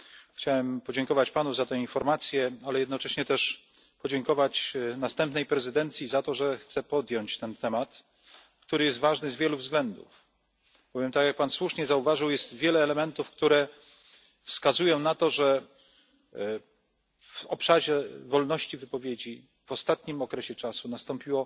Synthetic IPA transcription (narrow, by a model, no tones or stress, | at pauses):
xt͡ɕawɛmpɔd͡ʑɛŋkɔvat͡ɕpanuzat̪ɛ̃infɔɾmat̪sʲjɛalɛjɛd̪nɔt͡ʂɛɕɲɛt̪ɛʂ | pɔd͡ʑɛŋkɔvat͡ɕnast̪ɛmpnɛjpɾɛzɘd̪ɛnt̪sʲjizat̪ɔʐɛxt̪sɛpɔd̪ʲjɔɲt͡ɕt̪ɛnt̪ɛmat̪ | kt̪uɾɘjɛst̪vaʐnɘzvʲjɛluvzɡlɛnd̪ṵf | b̥ɔvʲjɛmt̪akjak̚panswuʂɲɛzauvaʐɘwjɛst̪vʲjɛlɛːlɛmɛnt̪ufkt̪uɾɛ | fskazujɔ̃w̃nat̪ɔʐɛ | vɔpʂaʑɛvɔlnɔɕt͡ɕivɘpɔvʲjed͡ʑi | v̥ɔst̪at̪ɲimɔkɾɛɕɛt͡ʂasunast̪ɔmpʲiwɔ